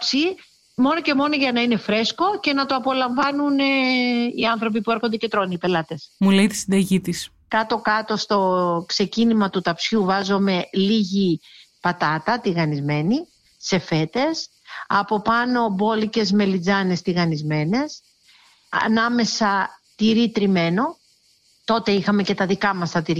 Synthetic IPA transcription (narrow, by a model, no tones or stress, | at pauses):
psi | mo̞no̞ce̞mo̞no̞ʝɐnɐine̞fɾe̞sko̞ce̞nɐt̪o̞ɐpo̞lɐɱvɐnuniɐnθɾo̞p̬ipueɾxond̪e̞ce̞t̪ɾo̞niipe̞lɐt̪e̞smulejt̪i̥sind̪ɐʝit̪is | kɐt̪o̞kɐt̪o̞st̪o̞kse̞cinimɐt̪ut̪ɐpsçuvɐzo̞me̞liʝipɐt̪ɐt̪ɐt̪iɣɐnizme̞ni | se̞fe̞t̪e̞s | ɐpo̞pɐno̞bo̞lice̞zme̞lid͡zɐne̞st̪iɣɐnizme̞ne̞s | ɐ̰nɐme̞sɐt̪iɾit̪ɾime̞no̞ | t̪o̞t̪e̞ixɐme̞ce̞t̪ɐðikɐmɐst̪ɐt̪iɾ